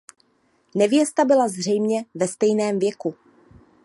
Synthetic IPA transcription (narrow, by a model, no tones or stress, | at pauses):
nɛvjɛst̪abɪlazr̝ɛjmɲɛvɛst̪ɛjnɛːmvjɛku